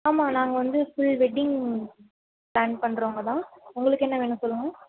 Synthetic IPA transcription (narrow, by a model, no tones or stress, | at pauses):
aːmaːnaːŋɡɐʋɐnd̪ɯfɪɭʋɛɖɪŋ | plaːnpɐɳːɾoːŋɡɐt̪ãːʊŋɡɐɭɯkːɛnːɐʋeːnːɯ̃sɔlːɯŋɡɐ